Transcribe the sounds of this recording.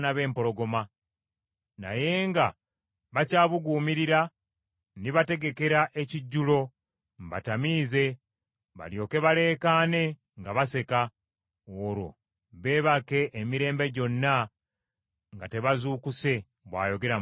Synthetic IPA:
naβe̞ːmpo̞lo̞ɡo̞ma | na̰je̞ːŋɡa | βacaːβuɡuːmiɾiɾa | niβate̞ɡe̞ke̞ɾaʔe̞ciɟːulo̞ | mba̰tamiːze̞ | βa̰ljo̞ːke̞βale̞ːkaːne̞ | ŋɡaβase̞ka | oɾo̞̰ | βe̞ːβake̞ʔːmiɾe̞ːmbe̞ɟo̞nːa | ŋɡate̞βazuːkuse̞ | βwa̰ːjo̞ɡe̞ɾa

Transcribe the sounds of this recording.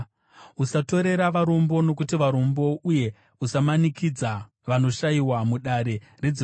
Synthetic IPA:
usato̞ɾe̞ɾaʋaɾombo̞no̞kutiʋaɾo̞mbo̞uje̞ | usamanikid͡za | ʋano̞ʃaiwamuɗaɾe̞re̞d͡zi

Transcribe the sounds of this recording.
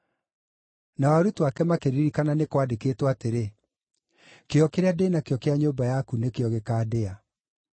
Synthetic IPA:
nawaɾutwakɛmakeɾiɾikananekwadekeːtwateɾe | keɔkeɾeadeːnakeɔkeaɲoːbajakunekeɔɣekaːdea

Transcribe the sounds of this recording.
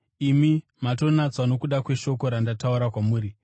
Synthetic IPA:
imi | mato̞nat͡swano̞kuɗakwe̞ʃo̞ko̞ɾandatauɾakwamuːɾi

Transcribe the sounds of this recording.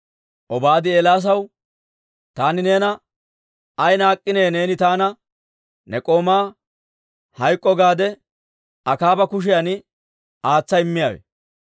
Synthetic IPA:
ʔɔbaːd̪ɪɛlaːs̬ɐw | t̪aːnɪne̞ːnɐ | ɐjnaːkʼːɪne̞ːne̞ːnɪt̪aːnɐ | nɛkʼo̞ːmaː | hɐjkʼːɔɡaːd̪ɛ | ɐkaːbɐkʊʃ̬ɪjɐnɪ | aːt͡sːɐɪmːɪjaːwɛ̰

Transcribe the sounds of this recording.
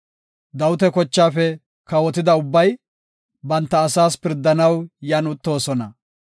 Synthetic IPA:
d̪ɐwʊt̪ɛkɔt͡ʃːaːfɛ | kɐwɔt̪ɪd̪ɐʊbːɐj | bɐnt̪ːɐːsaːspɪɾd̪ːɐnɐwjɐnʊt̪ːo̞ːsɔnɐ

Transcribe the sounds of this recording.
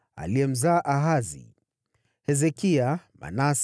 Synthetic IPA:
a̰liɛm̩zaːʔaɦazḭ | hɛzɛkiama̰nas

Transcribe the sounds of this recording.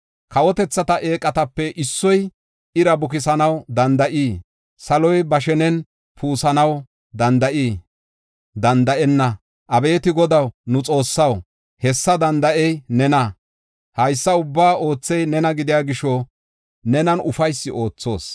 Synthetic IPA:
kɐwɔt̪ɛt͡sːɐt̪ɐʔe̞ːkʼːɐt̪ɐpːɛʔɪsːɔj | ɪɾɐbʊkɪsɐnɐwd̪ɐnd̪ɐʔiː | sɐlɔjbɐʃ̬ɛnɛn | pʰuːsɐnɐw | d̪ɐnd̪ɐʔiː | d̪ɐnd̪ɐʔɛnːɐ | ʔɐbe̞ːt̪ɪɡɔd̪ɐwnʊt͡sʼo̞ːsːɐw | hɛsːɐd̪ɐnd̪ɐʔɛjnɛnɐ | hɐjsːɐʊbːaːo̞ːt͡sːɛjnɛnɐɡɪd̪ɪjaːɡɪʃɔ | nɛnɐnʔʊfɐjsːɪʔo̞ːt͡sːo̞ːs

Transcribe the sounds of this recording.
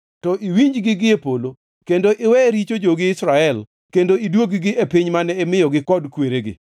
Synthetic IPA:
tɔʔiwiɲd͡ʒɡɪɡɪepolo | kendoʔɪwɛɾit͡ʃod͡ʒoɡɪɪsɾaɛl | kendoidwoɡɪɡɪepiɲmanɛːmɪjɔɡɪkɔdkweɾeɡɪ̰

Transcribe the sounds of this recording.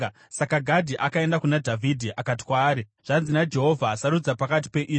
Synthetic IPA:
sakaɡʱadʱiʔakae̞ndakunadʱavʱidʱiʔakat̬i̥kwaːɾiʐ̥anzinad͡ʒe̞ɦo̞vʱaːsaɾud͡zapakat̬i̥pe̞ʔiːʐ

